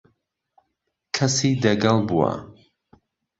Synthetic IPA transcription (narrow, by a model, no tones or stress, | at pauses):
kʰɐsid̪ɐɡɐlˠbuwa̰